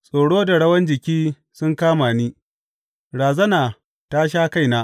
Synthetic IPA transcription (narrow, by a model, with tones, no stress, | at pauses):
sʼoː˨ɽoː˦da˨ɽɐ˦wɐ˦nd͡ʒɪ˨kʲiː˦ | sʊ˦ŋkaː˦maː˨niː˦ | ɽaː˨zɐ˦naː˨ | ta˦ʃ̬aː˦ka˦jnaː˦ʔ